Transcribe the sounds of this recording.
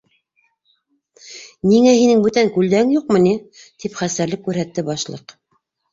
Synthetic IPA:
niŋæhinɘŋbɵt̪æŋkʉld̪æɘŋjuqmɤ̆nit̪ipχæsæɾlɘkːʉɾhæt̪ːɘbɑʃlˠɤ̰q

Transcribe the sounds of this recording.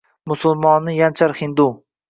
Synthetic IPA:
mʊsʊlˠmɒnːɪjant͡ʃʰaɾχɪnd̪u

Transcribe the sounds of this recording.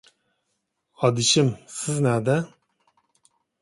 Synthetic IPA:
ɑd̪iʃimsiznæd̪ɛ

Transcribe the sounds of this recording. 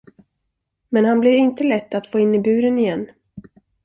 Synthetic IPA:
mɛnhanblɪɾɪnt̪əlɛt̪ːat̪foːɪnːɪbʉ̟ːɾənɪjɛnː

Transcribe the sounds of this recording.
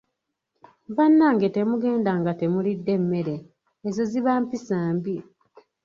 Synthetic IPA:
βanːaŋɡe̞te̞muɡe̞ːndaŋɡate̞mulidːe̞mːe̞ɾe̞ː | zoziβaːmpisaːmbi

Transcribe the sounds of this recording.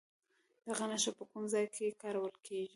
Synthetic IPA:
d̪̥aɣanaʃapəkumzɑjkʰekɑɾawəlkʰeʒi

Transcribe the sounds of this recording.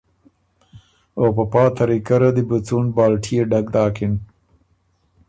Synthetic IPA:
opapɑːt̪ʰɐɾikaɾad̪ibut͡suɳbɑːlʈʰijeɖaɡd̪ɑːkɪn

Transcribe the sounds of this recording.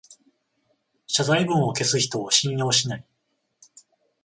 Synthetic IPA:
ɕazaibɯ̟̃ɰ̃o̞ke̞sɨçi̥t̪o̞ːɕĩɰ̃jo̞ːɕinai

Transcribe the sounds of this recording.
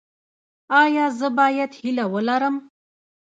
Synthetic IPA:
ɑjɑzəbɑjad̪hilawəlaɾəm

